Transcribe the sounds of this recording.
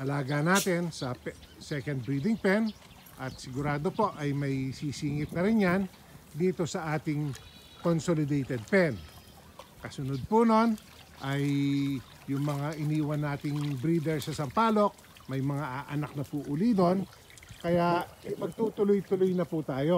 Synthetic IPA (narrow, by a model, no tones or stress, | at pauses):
ʔɐlaːɡanaːt̪ɪnsɐpsɛkɐnd̪̚bɾiːd̪ɪŋpɛn | ʔɐt̪̚sɪɡʊɾaːd̪o̞po̞ʔɐjmɐjsiːsiːŋɪt̪̚nɐɾɪnjan | d̪iːt̪o̞sɐʔaːt̪ɪŋ | konsolɪd̪ejt̪ɛd̪̚pɛn | kɐsʊnod̪̚puno̞n | ʔɐjː | ʊŋmɐŋaʔɪniːwɐnːaːt̪ɪŋbɾiːd̪ɛɹsɐsɐmpaːlo̞k̚ | mɐjmɐŋaʔaʔɐnak̚nɐpuːʔʊlid̪o̞n | kɐjaʔɐpɐɡ̚t̪uːt̪ʊlojt̪ʊlojnɐput̪aːjo̞